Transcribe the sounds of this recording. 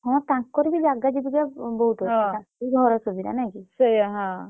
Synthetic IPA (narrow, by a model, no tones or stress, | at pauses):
ɦɔ̃t̪ãkkːɔɾibid͡ʒaɡad͡ʒibiɡabɔɦut̪ɔ̃tãiɡʱɔɾɔsobiɾa̰najkisəjaɦã